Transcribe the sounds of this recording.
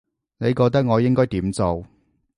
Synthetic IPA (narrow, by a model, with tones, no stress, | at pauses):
ne˨˧jkɔː˧k̚t̪ɐ˥k̚ŋɔː˨˧jɪ˥ŋkɔː˥jt̪iː˨˥mt͡so˨w